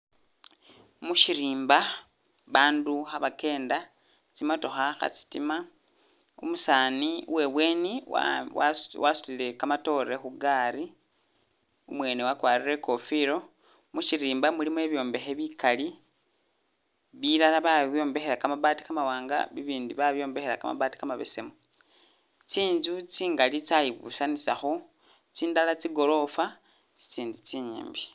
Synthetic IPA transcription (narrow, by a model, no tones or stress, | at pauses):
muʃiɾiːmba | βaːnduxaβake̞ːnda | t͡simatoxaxa̰t͡si̥tima | ṵmusaːniṵwe̞βwe̞ːnḭwwasu̥lile̞kamato̞ɾe̞xuɡaːɾi | umwe̞ːnewakwaːrire̞ko̞fiɾo̞ | mut͡ʃiɾiːmbamulimwe̞βjo̞ːmbe̞xe̞βikali | βiɾalaβaβjo̞ːmbe̞xeɾakamaβati̥kamawaːŋɡa̰βiβiːndiβaβjo̞ːmbe̞xeɾaka̰ma̰βaːti̥kamaβḛse̞mu | t͡siːnzut͡siːŋɡalit͡sajiβṵsanisaxo | t͡siːndalat͡siɡo̞lo̞fa | t͡si̥t͡siːnzut͡siɲḭːmbi